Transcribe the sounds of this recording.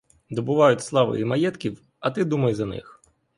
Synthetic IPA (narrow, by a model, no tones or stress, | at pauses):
d̪ɔbʊʋɑjʊtʲslˠɑʋɪ̰imɐjɛt̪kʲiw | ɐt̪ɪd̪umɐjzɐnɪ̰x